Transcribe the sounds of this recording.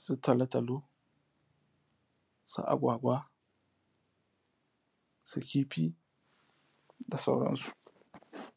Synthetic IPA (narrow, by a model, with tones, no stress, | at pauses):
su˦tɐ˨lɐ˦tɐ˨lo˦ | sṵ˦ʔa̰˨ɡʷaː˨ɡʷa˦ | su˨kʲiː˦pi˦ | da˨sa̰˦wɽɐ̰˦nsu̥˨ʔ